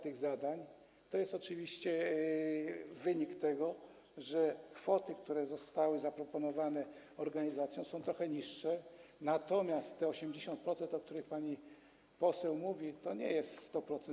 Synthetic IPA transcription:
t̪ɘɣzad̪aɲ | t̪ɔjɛst̪ɔt͡ʂɘvʲiɕt͡ɕɛ | vɘɲikt̪ɛɡɔ | ʐɛkfɔt̪ɘkt̪uɾɛzɔst̪awɘzapɾɔpɔnɔvanɛ | ɔɾɡaɲizat̪sʲjɔ̃w̃sɔ̃w̃t̪ɾɔxɛɲiʂːɛnat̪ɔmʲjast̪ːɛɔɕɛmd͡ʑeɕɔ̃nt̪̚pɾɔt̪sɛnt̪ɔk̚t̪uɾɘxpaɲi | pɔsɛwmuvʲit̪ɔɲɛ̰jɛst̪sst̪ɔpɾɔt̪sɛn

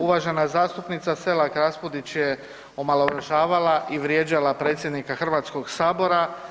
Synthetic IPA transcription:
uʋaʒe̞nazaːst̪upnit̪sase̞lakɾaspod̪it͡ɕje̞ | o̞malˠouɾaʒaːʋalaʔiʋɾje̞ːd͡ʑalapɾe̞ːt̪sjed̪nikaxr̩ʋaːt̪skoɡsaːbo̞ɾa

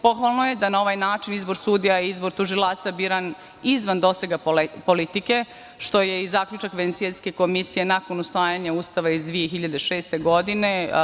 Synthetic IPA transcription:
po̞xʋalˠno̞je̞d̪anao̞ʋajnaːt͡ʃinizbo̞ɾsuːd̪ijaiizbo̞ɾt̪uʒilˠaːt̪sabiːɾan | izʋand̪o̞seɡapo̞lit̪ike̞ | ʃt̪o̞je̞izaːkʎut͡ʃakʋenesielske̞ko̞misije̞nako̞nusʋaːjaɲauːst̪aʋaizd̪ʋije̞xiʎad̪eʃeːst̪e̞ɡo̞d̪ine

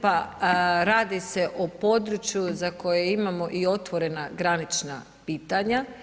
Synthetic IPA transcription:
paɾaːd̪ise̞ʔopo̞d̪ɾut͡ʃjuzako̞jeimamo̞ʔio̞t̪ʋo̞ɾe̞naɡɾanit͡ʃna̰ | piːt̪aɲa

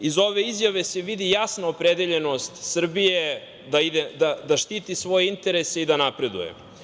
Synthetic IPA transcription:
izo̞ʋe̞izjaʋe̞seʋid̪ijasnaopɾed̪eʎe̞no̞st̪sr̩bije | d̪aid̪ed̪ad̪aʃt̪iːt̪isʋo̞jeint̪e̞ɾeseid̪anapɾe̞d̪ṵjḛ

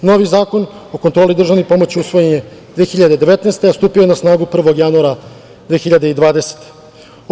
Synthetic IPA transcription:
noʋizaːko̞no̞kont̪ɾo̞ːlid̪r̩ʒaʋnipo̞mo̞t͡ɕiusʋo̞jeɲed̪ʋexiʎad̪e̞d̪e̞ʋet̪neːst̪east̪uːpioenasnaːɡupr̩ʋo̞ɡjanuaɾa | d̪ʋeːxiʎad̪e̞id̪ʋaːd̪e̞se̥t̪e̥

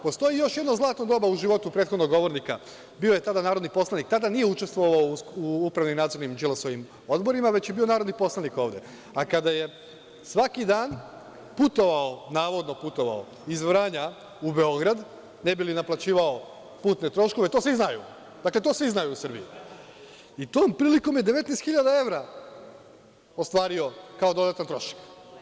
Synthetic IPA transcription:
po̞st̪o̞jijo̞ʃje̞d̪nozlˠaːt̪nod̪o̞ːbauʒiʋo̞t̪upɾet̪xod̪no̞ɡo̞ʋo̞ɾnika | bio̞je̞t̪ad̪anaːɾod̪nipo̞slˠanik̚t̪ad̪anijeut͡ʃe̞st̪ʋo̞ʋaouupɾaʋnimnaːd̪zo̞ɾnimd͡ʒelosojim | o̞d̪bo̞ɾimaʋe̞t͡ɕjebio̞naːɾod̪nipo̞slˠaniko̞ːʋd̪e̞̰ | akad̪aje̞ | sʋakid̪aːn | put̪oʋaonaːʋo̞d̪no̞put̪o̞ʋa̰o | izʋɾaːɲa | ube̞o̞ɡɾad̪ | nebilinaplˠat͡ɕiːʋao | puːt̪net̪ɾo̞ʃkoʋe̞t̪osiznajṵ | d̪akle̞t̪o̞ːsʋiznajuusr̩bijḭ | it̪oːmpɾiːliko̞mjed̪eʋe̞t̪nejst̪xiʎad̪ae̞ʋɾa | ost̪ʋaːɾio̞kao̞d̪o̞d̪at̪ant̪ɾo̞ʃḁk

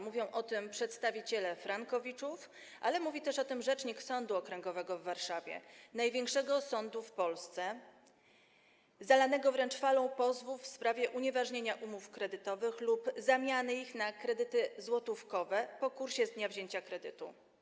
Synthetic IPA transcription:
muvʲjɔ̃w̃ʔɔt̪ɘmpʂɛt̪st̪avʲit͡ɕɛlɛfɾaŋkɔvʲit͡ʂuf | ʔa̰lɛmuvʲit̪ɛʂɔt̪ɘmʐɛt͡ʂɲiksɔnd̪uɔkɾɛŋɡɔvɛɡɔvːaɾʂavʲjɛ̰najvʲjɛŋkʂɛɡɔsɔnd̪ufpɔlst̪sɛ | zalanɛɡɔvɾɛnt͡ʂfalɔ̃w̃pɔzvufspɾavʲjɛʔuɲɛvaʐɲeɲaʔumufkɾɛd̪ɘt̪ɔvɘxlupzamʲjanɘixnakɾɛd̪ɘt̪ɘzwɔt̪ufkɔvɛpɔkuɾɕɛzd̪ɲavʑeɲt͡ɕakɾɛd̪ɘ̰t̪ṵ

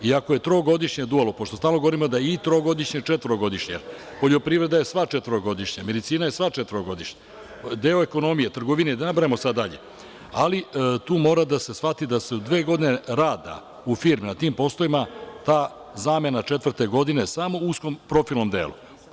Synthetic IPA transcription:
iakoje̞t̪ɾo̞ːɡo̞d̪iʃɲed̪ualˠopoʃt̪ost̪aːlnoɡo̞ʋɾimod̪ajeit̪ɾo̞ɡo̞d̪iʃɲet͡ʃet̪ʋəɾoɡo̞d̪iʃɲejeɾ | po̞ʎo̞pɾiːvɾe̞d̪ajesʋat͡ʃet̪əɾoɡo̞d̪iʃɲame̞d̪it̪siːnaje̞sʋat͡ʃet̪vəɾoɡo̞d̪iʃɲa | d̪e̞o̞eko̞no̞mije̞t̪r̩ɡo̞ʋined̪anabɾaemosad̪ːaʎe̞̰ | a̰lit̪uːmo̞ːɾad̪ase̞sfat̪id̪ase̞ud̪ʋeːɡo̞d̪ineɾaːd̪a̰ | ufiːɾminat̪iːmpo̞st̪oʋimat̪aː | zaːme̞nat͡ʂet̪vr̩t̪e̞ɡo̞d̪ine̞samo̞uskompɾo̞filˠno̞md̪ḛːlṵ

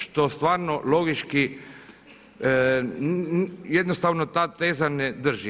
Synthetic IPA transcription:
ʃt̪ost̪ʋaːɾnolo̞ɡit͡ʃki | jed̪nost̪aːʋnot̪aːt̪eːzaned̪r̩ʒi

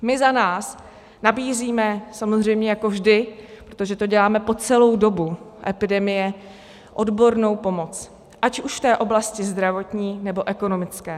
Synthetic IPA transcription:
mɪzanaːs | nabiːziːmɛsamozr̝ɛjmɲɛjakovʒdɪpɾot̪o̞ʒɛt̪o̞ɟɛlaːmɛpo̞t͡sɛlo̞wdo̞buʔɛpɪdɛmɪjɛ | ʔo̞dbo̞ɾno̞wpo̞mo̞t͡s | ʔacuʃft̪ɛːʔo̞blascɪzd̪ɾavo̞t̪ɲiːnɛbo̞ʔɛko̞no̞mɪt͡skɛː

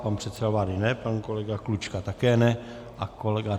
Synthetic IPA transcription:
panpr̥ɛt̪sɛdavaːdɪnɛpankolɛɡaklut͡ʃkat̪akɛːnɛ | ʔakolɛɡa

